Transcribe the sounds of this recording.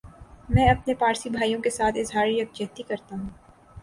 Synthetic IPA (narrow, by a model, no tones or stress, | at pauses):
mɛ̃ːɐpnepaːɾsibʱaːijõkesaːt̪ʰɪzɦaːɾiɾɐk̚d͡ʒeɦt̪ikɐɾt̪aɦũː